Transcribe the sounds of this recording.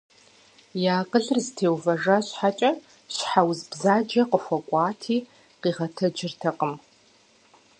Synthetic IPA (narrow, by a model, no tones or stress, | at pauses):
jaːqəɮɨrztʰeːwvɐʐaɕħat͡ʃʼɐ | ɕħawzbzaːd͡ʒɐqəfʷɐkʷʼɑːtʰiː | qiːʁɐtʰɐd͡ʒɪrtʰɐqʼəm